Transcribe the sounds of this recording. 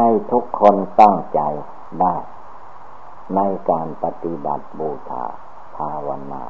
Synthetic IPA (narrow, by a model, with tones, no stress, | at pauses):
a˧jt̪ʰu˦˥kʰːo˧˨nt̪a˥˩ŋt͡ɕa˨j | da˧˥˩j | na˧˥jkaː˨npa˧t̪i˧ba̰˨˩t̪̚buː˧˩t̪ʰa̰ː˧˩˦ | t̪ʰaː˧wa˧nma̰ː˧˩